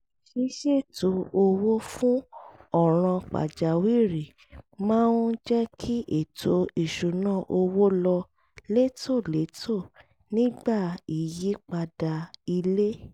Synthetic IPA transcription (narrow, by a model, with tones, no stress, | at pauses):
ʃi˧ʃe˦˨to˨o˧wo˦fũ˦ɔ˦˨ɾ̃ã˧k͡pa̰˨d͡ʒa˨wi˦˨ɾi˨ | mãː˦n˦d͡ʒɛ˦kʰi˦ʔe˦˨tʰo˨˦i˨ʃu˨nã˦˨ʔo˧wo˦lɔ˧ | le˦tʰo˦˨le˨˦tʰo˦˨ | nĩ˦ɡ͡ba˦˨i˨ji˨˦k͡pa˧da˧i˧le˦